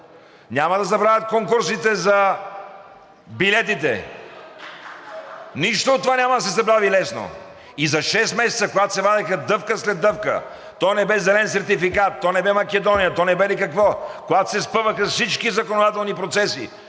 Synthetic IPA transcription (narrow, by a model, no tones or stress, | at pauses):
nʲamɐd̪ɐzɐbɾavʲət̪̚koŋkuɾsit̪ɛzɐ | bilɛt̪̬it̪ɛ̰ | niʃt̪ooːt̪ːovanʲamɐd̪ɐsɛzɐbɾavilɛsno̰ | izɐʃɛst̪mɛsɛt̪səkoɡat̪o̥sɛvad̪ɛxɐd̪ɤfkəslɛd̪ːɤfkə̰ | t̪ɔjnɛbɛzɛlɛnsɛɾt̪ifikat̪ːɔnɛbɛmɐkɛd̪ɔnijət̪ɔnɛbɛlikɐkvɔkoɡat̪o̥sɛspɤvəxɐsfsit͡ʃkizɐkonod̪at̪ɛlˠnipɾot̪sɛsḭ